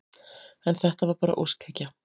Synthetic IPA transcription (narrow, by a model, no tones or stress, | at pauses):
ɛnθɛht̪avaɾpaːɾa̰ʔowskʰacːa